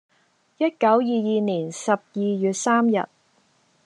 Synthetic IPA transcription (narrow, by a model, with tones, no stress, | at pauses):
jɐ˥t̚kɐ˨˥wjiː˨jiː˨niː˨˩nsɐ˨p̚jiː˨˧jyː˨t̚saː˥mjɐ̰˨t̚